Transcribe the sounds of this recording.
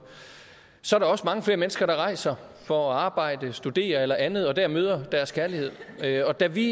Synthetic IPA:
sɒ̽ɐæɐɾɑ̈ɒ̽səmɑ̈ŋəfle̝ɐmenəsɡ̥ɐɾ̥ɑ̈ʁɑ̈ɪ̰sɐ | fɒ̽ɑ̈ːb̥ɑ̈ɪ̰d̥əsd̥ud̥e̝̰ːɐelɐʔænð̞̩ˠɒ̽d̥æɐ̰møːð̞ˠɐd̥æɐskʰæɐlihe̝ð̞̰ˠɒ̽d̥æʋi

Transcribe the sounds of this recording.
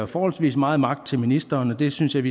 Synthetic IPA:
æfɒːhɒlsʋḭːsmɑ̈ːð̞̩ˠmɑ̈ɡ̥̚d̥̚t͡sʰe̝lminisd̥ɐːnɒd̥e̝synsjɑ̈ɪʋi

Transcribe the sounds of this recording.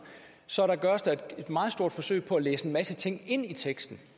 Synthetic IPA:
sɒ̽ɐɾɑ̈ɡ̥ɶːɐsd̥æ̥e̝d̥mɑ̈ːð̞̩ˠsd̥o̝ɐ̰d̥fɒ̽sø̰ɪ̰pʰɒ̽æleːsəenmæsət͡sʰe̝ŋ̰e̝n̰it͡sʰeɡ̥sd̥n̩

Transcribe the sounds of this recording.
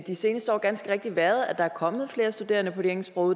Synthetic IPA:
d̥ise̝ːnəsd̥əɒ̰ːɡ̥ænsɡ̥əʁeɡ̥̚d̥iʋæɐðˠæd̥ɑæɐkʰɒ̽mð̩ˠfle̝ːɐsd̥ud̥e̝̰ːɐnəpʰɒ̽de̝eɐeŋsb̥ʁɔʊ

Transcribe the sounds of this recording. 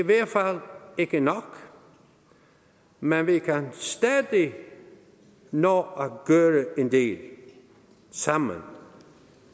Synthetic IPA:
iʋeːfalɪkənɔk | mɛnʋikʰanst̪ɛd̪i | noːaɡ̥øːɾəʔend̪eːl | samə̰n

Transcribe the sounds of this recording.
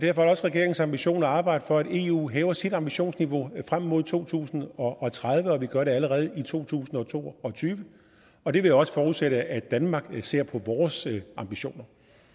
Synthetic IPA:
d̥æɐfɒæɾɒ̽sʁɛɡ̥e̝ɐeŋ̩sɑ̈mb̥iɕo̝̰ːnɒɑ̈ːb̥ɑ̈ɪ̰d̥əfɒ̽æd̥e̝ːṵːɦɛːʊɐsid̥ɑ̈mb̥iɕo̝̰ːnsniʋo̝fʁam̰mo̝ð̰ˠt͡sʰo̝̰ːt͡sʰṵːsn̩ɒ̽ʔːt͡sʰʁað̞ˠʋəɒ̽ʋiɡ̥ɶɐɾe̝æləʁɛːð̞̩ˠit͡sʰo̝̰ːt͡sʰṵːsn̩ɒ̽t͡sʰo̝̰ːɒ̽t͡sʰyːʋə | ɒ̽d̥e̝ʋe̝jɒ̽sə̥fɒːuðˠseɾəæd̥ænmɑ̈ɡ̥se̝ɐ̰pʰɒ̽ʋɒːsʔɑ̈mb̥iɕo̝̰ːnɐ

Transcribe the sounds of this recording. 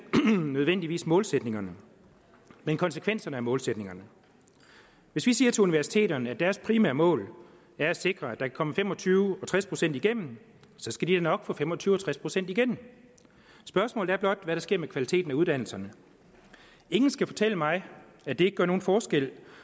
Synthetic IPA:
nøð̞ˠʋen̰d̥iʋḭːsmɔ̽ːlsed̥ne̝ŋɐnə | menkʰɒ̽nsə̥kʰʋen̰sɐnəæɐmɔ̽ːlsed̥ne̝ŋɐnə | ʋe̝sʋisiːɐt͡sʰe̝uniʋæɐsi̥t͡sʰe̝̰ːɾɐnəæd̥æɐspʰʁimæ̰ɐmɔ̰̽ːl | æɐæse̝ɡ̥ʁɐæd̥ɑ̈kʰæ̥kʰɒ̽məfemɒ̽t͡sʰyːʊɒ̽t͡sʰʁaspʰʁo̝sen̰d̥iɡ̥em̰n̩ | sɒ̽sɡ̥æd̥id̥enɒ̽ɡ̥fʰɒ̽fem̰ɒt͡sʰyːʊɒt͡sʰʁaspʰʁo̝sen̰d̥iɡ̥en̰ | sb̥ɶɐsmɔ̰̽ːld̩̥æɐblɒ̽d̥ʋæɾ̥ɑ̈sɡ̥e̝ɐ̰mekʰʋælit͡sʰe̝̰ːd̥n̩æuð̞̥ˠæn̰l̩sɐnə | e̝ŋn̩sɡ̥æfɒ̽t͡sʰel̰əmɑ̈ɪ | æd̥e̝eɡ̥ə̥ɡɶɐo̝ːn̩fɒːsɡ̥el̰

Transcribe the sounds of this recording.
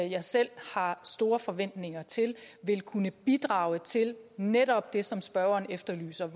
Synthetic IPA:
jɑ̈ɪsel̰hɑ̈sd̥o̝ːɐfɒ̽ʋen̰d̥ne̝ŋɐt͡sʰe̝lʋe̝lkʰunəb̥id̥ʁɑ̈ːʊət͡sʰe̝lneɾɒ̽b̥̚d̥e̝sɒ̽msb̥ɶɐɐnefd̥ɐly̰ːsɐʋ

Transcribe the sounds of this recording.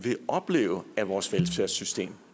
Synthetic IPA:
ʋe̝ɒ̽b̥le̝̰ːʊæʋɒːsʋelsfeɐ̰sysd̥e̝̰ːm

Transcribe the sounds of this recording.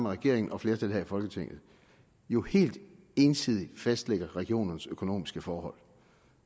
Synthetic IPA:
mæʁɛɡ̥e̝̰ɐ̰eŋn̩ɒ̽fle̝ːɐt͡sʰe̝lɦæ̰ifɒ̽lɡ̥ət͡sʰeŋ̰ð̩ˠ | jo̝he̝̰ːld̥ | e̝ːnsið̞̰ˠi̥fæsd̥leɡ̥ɐʁɛɡ̥io̝̰ːnn̩søkʰo̝no̝̰ːmisɡ̥əfɒːhɒ̽l̰

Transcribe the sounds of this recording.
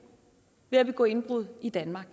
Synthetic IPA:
ʋe̝æʋe̝ɡ̥ɔ̰̽ːe̝nb̥ʁuð̞̰ˠid̥ænmɑ̈ːɡ̥

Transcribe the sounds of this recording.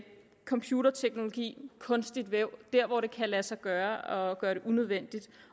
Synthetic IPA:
kʰɒ̽mpʰjuɾɐt͡sʰeɡ̥no̝lo̝ɡ̥ḭːkʰɔ̽nsd̥id̥ʋeʊ̰d̥æɐ̰ʋɒɾ̥e̝kʰælæsɑ̈ɪɡ̥ɶːɐɒ̽ɡ̥ɶːɐɾ̥e̝ʔunøð̞ˠʋen̰d̥id̥

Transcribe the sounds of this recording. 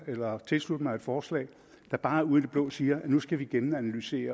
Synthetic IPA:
elɐt͡sʰe̝lslud̥əmɑ̈ɪe̝d̥fɒːslɛ̰ːɪ | d̥ɑ̈b̥ɑ̈ːæɐuðˠd̥ib̥lɔ̰̽ːsiːɐnusɡ̥æʋiɡ̥enænælyse̝̰ːɐ

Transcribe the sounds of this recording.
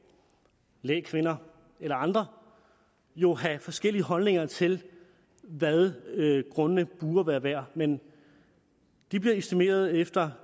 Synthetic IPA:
lḛːkʰʋenɐ | elɐɑ̈nd̥ʁɐ | jo̝ɦæfɒ̽sɡ̥el̰iəɦɒ̽lne̝ŋɐt͡sʰe̝l | ʋæðˠɡ̥ʁɔ̽nənəb̥uːɐʋæːɐʋæɐ̰men | d̥ib̥liɐesd̥ime̝̰ːɐð̞ˠefd̥ɐ

